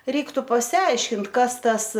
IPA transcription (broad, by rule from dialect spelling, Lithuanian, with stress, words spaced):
ˈrʲɛɪktʊ pɐsʲɪˈɐɪʃʲkʲɪnt ˈkɐs ˈtɐs